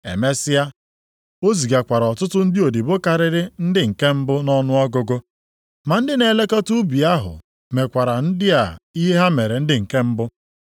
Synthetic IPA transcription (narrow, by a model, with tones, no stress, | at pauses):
ḛ˨me˦sɪ˦a˦ | o˦zi˨ɡa˨kʷa˨ɾɔ˨tʊ˦tʊ˦n̩˦dɪ˦o˨di˨bo˦ka˨ɾɪ˦ɾɪ˦n̩˦dɪ˦ŋ̩˨ke˦m̩˦bʊ˦nɔ˦nʊ˦ɔ˦ɡʊ˦ɡo˦ | ma˨n̩˦dɪ˦ne˨le˦kɔ˦tu˦bi˨a˦ɦʊ̰˨ | me˨kʷa˨ɾa˨n̩˦dɪ˦a˨i˦ɦe˦ɦa˦me˨ɾe˨n̩˦dɪ˦ŋ̩˨ke˦m̩˦bʊ˦